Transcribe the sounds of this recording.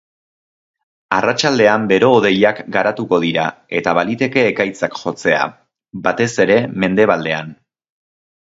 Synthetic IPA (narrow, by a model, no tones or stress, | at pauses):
arat͡ʃald̪e̞ambe̞ɾo̞ːðe̞jakɡaɾat̪uko̞ðiɾa̰e̞t̪aβ̞alit̪e̞ke̞ːkajt͡sakʝo̞t͡se̞a̰ | bat̪e̞se̞ɾe̞me̞nd̪e̞β̞ald̪e̞an